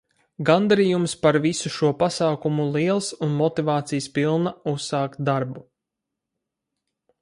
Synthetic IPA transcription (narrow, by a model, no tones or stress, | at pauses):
ɡand̪aɾijumspaɾvisuʃuɔpasaːkumulˠiɛlˠsunmɔt̪ivɑːt̪sijəspilˠnaussaːkt̪̚d̪aɾbu